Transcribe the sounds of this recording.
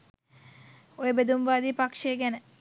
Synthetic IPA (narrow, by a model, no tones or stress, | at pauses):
ojəbed̪umʋaːd̪iːpakʂeːɡɛnə